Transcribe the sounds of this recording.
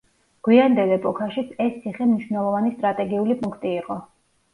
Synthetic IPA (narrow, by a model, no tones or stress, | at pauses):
ɡ̥wiand̪ɛlˠɛpʼɔkʰaʃit̪sʰɛst̪sʰiχɛmniʃvnɛlˠɔvanist̪ʼɾat̪ʼɛɡiulipʼuŋkʰt̪ʼiːqʼɔ